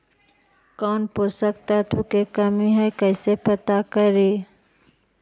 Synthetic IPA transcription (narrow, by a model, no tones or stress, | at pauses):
kɔːnposəkt̪at̪ukekəmiɦɛjkəɪsepət̪akəɾe